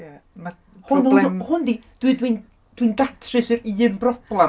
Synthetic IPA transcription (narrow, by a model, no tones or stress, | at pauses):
jama | hʊnmhʊndid̥widwin | d̥windatʰrɨsɨriːnbrɔb̥lˠɛ